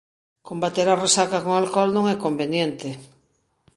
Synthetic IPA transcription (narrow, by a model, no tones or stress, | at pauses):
kombat̪eɾaresakakoŋalkɔlnõŋɛkombenjent̪e